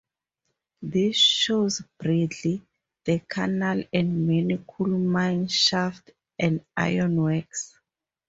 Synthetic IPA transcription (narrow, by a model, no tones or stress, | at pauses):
ðisʃozb̥ɹedli | ð̥əkʰanalɛ̃ndmɛnikʰulmãjnʃaft | ʔɛ̃nda̰jɔ̃nwɛks